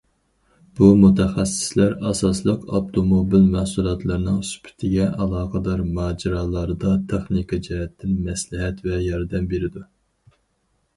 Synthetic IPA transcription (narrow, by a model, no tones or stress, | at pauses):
b̥umut̪ʰɛχæsːɪ̥slæɾɑsɑslˠəqɑp̚t̪ʰomobilmæhsulˠɑt̪ʰlˠɑɾnɨŋsy̥pʰɪ̥t̪ʰɪɡʲɛʔɑlˠɑːqʰɑd̪ɑɾmɑːd͡ʒiɾɑːlˠɑɾɨd̪ɑt̪ʰeχnikʰɑd͡ʒɛɦɛt̪ʰːɪnmɛslɪɦɛt̪vɛjɑɾd̪ɛmbeɾɪd̪u